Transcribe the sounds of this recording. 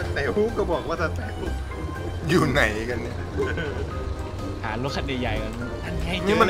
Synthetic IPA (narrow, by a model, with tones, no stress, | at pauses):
t̪ɛː˨˩˦huː˦˥p̚kɔː˧˩bɔː˨˩k̚waː˥˩t̪ʰa˧˥˩nt̪ɛː˨˩k̚u˦˥˩ | juː˨˩na˨˩˦jka˧nni˧˥˩ | haː˩˦lo˧˦˥t̚kʰːa˧t̪̚ja˨˩ja˨˩jka˧˩n˧˩t̪ʰa˥˩nkʰɛː˥˩˨ɲɯ˦˥˦ma˧˨